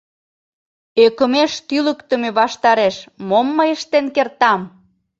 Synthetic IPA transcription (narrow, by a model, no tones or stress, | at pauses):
økəmeʃt̪yləkt̪ə̆meβɑʃt̪ɑɾeʃmomːəjəʃt̪enkert̪ɑm